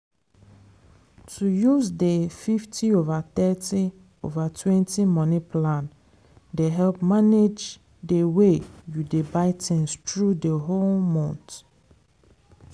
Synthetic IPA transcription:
tʰujuzdefiftʰiovaθɛti | ovatʰwɛ̃ntimɔnipʰlãn | deɦɛlpmaned͡ʒ | dewejudebaɪtʰɛ̃nstɹudeɦolmɔ̃nt

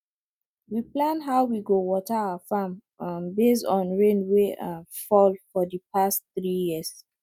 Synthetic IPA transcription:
wiplãnɦaʊwiɡowɔtəaʊəfãm | mbestɔ̃nɹẽnwefɔlfɔðəpʰastθɹijis

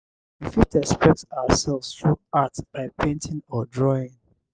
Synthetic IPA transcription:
wifitɛspɹɛtaʊəsɛlvsθɹuatb̥aɪpʰẽntʰɪ̃ŋɔdɹɔɪ̃ŋ

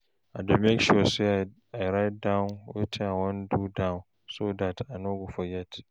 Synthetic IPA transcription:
ʔa̰dɔmɛkʃɔse | ajɾaj̚danwḛtʰeawɔndudawn | sodatanoɡufɔjatʰi̥

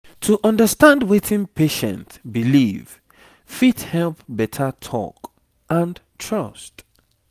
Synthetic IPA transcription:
tʰuʔʌ̃ndəstãndwetʰĩnpʰeʃə̰̃ntbiliv̥ | fithɛlˠpbɛtʰətʰɔ̰k | ʔə̃ntʰɹʌst

